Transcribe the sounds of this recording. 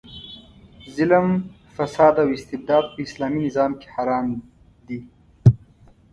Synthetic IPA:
zɪləm | fasɑːd̪awɪst̪ɪbd̪ɑːd̪̚pəɪslɑːminɪzɑːmke̥haɾɑːm | d̪i

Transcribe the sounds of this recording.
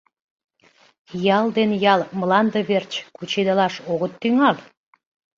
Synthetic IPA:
jɑld̪enjɑlmlɑnd̪əβert͡ɕkut͡ɕed̪əlɑʃoɣət̪ːyŋɑl

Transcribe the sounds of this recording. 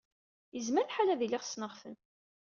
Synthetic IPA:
jəzməɾθħalæðiliʁsnəʁfə̰n

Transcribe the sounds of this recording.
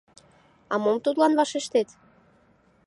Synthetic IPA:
ɑmomt̪ut̪lɑnβɑʃeʃt̪et̪

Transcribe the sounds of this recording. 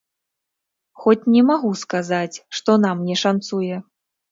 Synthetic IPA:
xɔt͡sʲnʲɛmaɣuskazat͡sʲʂt̪ɔnamnʲɛʂant̪sujɛ

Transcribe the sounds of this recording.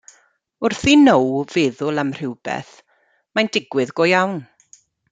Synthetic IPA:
ʊrθinowvɪːðʊlˠamr̥ɪwb̥ɛ̰θ | mandɪɡwɪðɡɔjawn

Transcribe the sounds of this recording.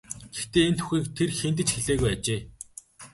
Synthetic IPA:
ɡ̥ext̪eːent̪ʰu̥xʲiːkt̪ʰerxent̪̬ɘ̆t͡ɕxeɮeːɣujat͡ɕeː

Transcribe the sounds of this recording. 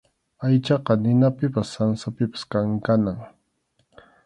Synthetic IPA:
ajt͡ʃɑqɑnɪnapɪpasːansapɪpḁskaŋkanaŋ

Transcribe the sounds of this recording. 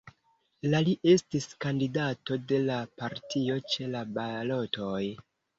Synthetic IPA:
laliʔe̞stiskandidato̞de̞lapaɾtio̞t͡ʃe̞labalo̞to̞j

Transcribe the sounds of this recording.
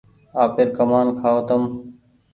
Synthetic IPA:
aːpɪɾkəmaːnkʰaːot̪əm

